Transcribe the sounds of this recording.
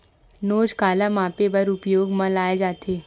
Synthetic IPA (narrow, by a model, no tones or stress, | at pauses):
nod͡zkalamapebəɾupjoɡməlajd͡zat̪ʰe